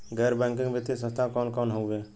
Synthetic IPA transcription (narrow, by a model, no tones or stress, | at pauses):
ɡɛɾbɛŋkĩŋɡbet̪ːisə̃st̪ʰakɔnkɔnɦowbe